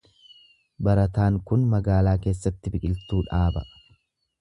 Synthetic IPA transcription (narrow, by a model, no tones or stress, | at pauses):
bɐɾɐt̪aːŋkʊnmɐɡaːlaːke̞ːsːɐt̪ːɪbɪkʼɪlt̪uːᶑaːbɐ